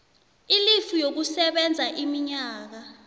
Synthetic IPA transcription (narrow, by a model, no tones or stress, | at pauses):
ilifujok̬usɛɓɛnd͡zʱaʔimiɲaːk̬a